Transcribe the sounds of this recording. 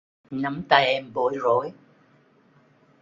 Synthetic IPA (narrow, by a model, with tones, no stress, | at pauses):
na˨˦mt̪aː˧jʔɛ˧mɓo˨˦jzo˧˨˦j